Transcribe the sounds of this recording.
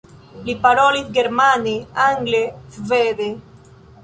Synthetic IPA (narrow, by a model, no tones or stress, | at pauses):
lipaɾolisɡeɾmaneaŋɡlefveðe